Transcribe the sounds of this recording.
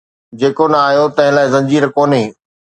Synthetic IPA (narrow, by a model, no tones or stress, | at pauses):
d͡ʑeːkonɐaːjot̪ɐ̃ɦɪ̃laːɪzɐ̃ɲd͡ʑiːɾkoːneː